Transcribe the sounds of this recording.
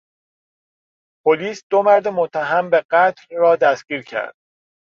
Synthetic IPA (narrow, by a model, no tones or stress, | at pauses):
pʰoliːsd̪̥o̞mæɾd̪emot̪ʰːæɦæmbe̞ɢæt̪ʰlrɒːd̪æsɟ̥iːɾcʰæ̰ɾd̪̥